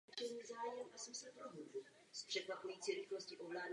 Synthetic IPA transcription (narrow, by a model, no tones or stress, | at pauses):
t̪t͡ʃɛniːzaːjɛmʔasɛmsɛpɾoɦudu | spr̝̥ɛkvapujiːt͡siːɾɪxlosciʔovlaːd